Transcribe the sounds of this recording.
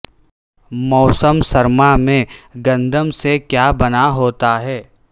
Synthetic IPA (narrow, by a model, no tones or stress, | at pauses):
mɔːsəmsɐɾmamẽɡɐ̃nd̪ʱəmsekjaːbɐnaɦoːt̪aɦɛː